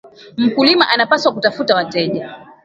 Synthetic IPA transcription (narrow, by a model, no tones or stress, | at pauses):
m̩kulimaʔanapaswakutafutawatɛʄa